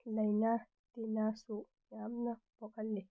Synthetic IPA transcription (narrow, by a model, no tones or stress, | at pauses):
lajna | t̪inasu | ɲamnab̥ɔkalːɛ